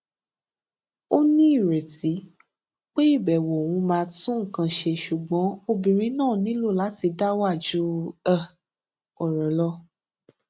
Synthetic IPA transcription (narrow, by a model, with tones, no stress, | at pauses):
o˦nĩ˦i˦˨ɾe˨ti˨˦ | k͡pe˦i˦˨bɛ˨wɔ˨w̃ũ˧mãː˧tũ˦ŋ̩˨kã˧ʃe˧ʃu˨ɡ͡bɔ̃˨˦o˧bĩ˨ɾ̃ĩ˨˦nãː˦˨nĩ˨˦lo˦˨la˨˦ti˧da˦wa˦˨d͡ʒu˨˦a˦˨ | ɔ˨ɾɔ̃˨˦lɔ˧